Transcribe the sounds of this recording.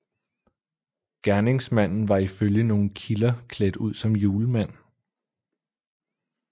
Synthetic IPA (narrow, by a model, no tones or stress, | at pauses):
ɡ̥æɐne̝ŋsmæn̰n̩ʋɑ̈iføljəno̝ːn̩kʰilɐkʰled̥uð̰ˠsɒ̽mjuːləmæn̰